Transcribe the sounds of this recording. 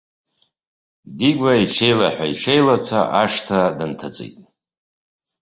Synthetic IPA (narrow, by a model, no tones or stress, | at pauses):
diɡʷaiʂe̞jlaħʷᶣaiʂejlat͡sʷʰa̰ʔaʂtʰadɨntʰat͡sʼḛjtʼ